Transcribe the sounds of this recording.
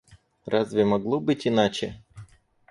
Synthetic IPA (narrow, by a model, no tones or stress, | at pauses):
ɾʔazvʲɪmɐɡlˠobɨtʲɪnat͡ɕɪ